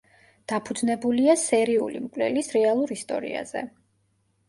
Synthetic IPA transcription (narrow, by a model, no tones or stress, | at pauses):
d̪̥apʰud̪znɛbuliasɛɾiulḭmkʼwlɛ̰lisɾɛalˠuɾist̪ʼɔ̰ɾḭa̰z̥ɛ̰